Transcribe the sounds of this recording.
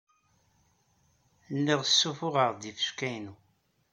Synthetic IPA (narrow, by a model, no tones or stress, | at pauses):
lːiʁəsːufʊʁəʁd̪ifə̥ʃkæjnu